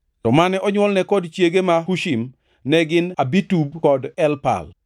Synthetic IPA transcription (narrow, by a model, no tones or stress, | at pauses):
tɔmanɛʔɔɲwɔlnɛkɔdt͡ʃjeɡemahuʃim | nɛɡɪnabitub̚kɔdɛlpa̰l